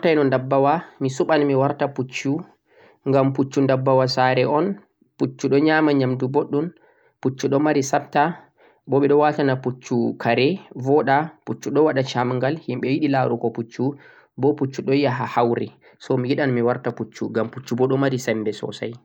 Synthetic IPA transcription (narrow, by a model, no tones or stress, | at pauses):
tajnɔndabːawamisuɓanmiwaɾtaput͡ʃːu | ŋɡamput͡ʃːundabːawasaɾɛʔɔn | put͡ʃːuɗɔɲaːmaɲamduboɗːun | put͡ʃːuɗɔmaɾisap̚ta | bɔɓɛɗɔwatanaput͡ʃːukʰaɾɛvɔɗaput͡ʃːuɗɔwaɗat͡ʃamŋɡalhimɓɛwiɗilaɾukɔput͡ʃːu | bɔput͡ʃːuɗɔjaɦahawɾɛ̰ | sɔmijiɗanmiwaɾtaput͡ʃːuɡamput͡ʃːubɔɗɔmaɾisɛmbɛsɔ̰sa̰j